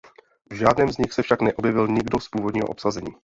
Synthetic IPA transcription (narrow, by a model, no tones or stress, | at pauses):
vʒaːdnɛːmzɲɪxsɛfʃaknɛʔo̞bjɛvɪlɲɪɡdospuːvodɲiːɦoʔopsazɛɲiː